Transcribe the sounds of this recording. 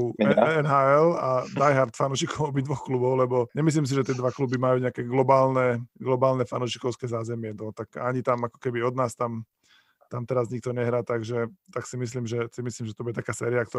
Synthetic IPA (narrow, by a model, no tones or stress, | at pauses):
uɛnɦaːɛlad̪ajɦaɾt̪fanuːʃikʰɔmɔbid̪ʋɔxklubɔʊlɛbɔɲɛmis̬liːms̬iʒɛt̪ɪɛd̪ʋaklubimajuːɲɛakɛɡlɔbaːlnɛɡlɔbaːlnɛfa̰nuːʃi̥kɔʊskɛzaːzɛmɪɛnɔt̪akaɲit̪amakɔ̥kɛbiɔd̪naːst̪am | t̪amt̪ɛɾazɲik̚t̪ɔɲɛɦɾaːt̪aɡʒɛt̪aksimis̬liːmʒɛsimisliːmʒɛt̪ɔbujɛt̪akaːsɛːɾiak̚t̪ɔ